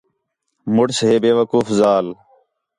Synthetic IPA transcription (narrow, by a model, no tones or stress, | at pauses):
mʊɽsɦeːbeːʋəkuːfzaːl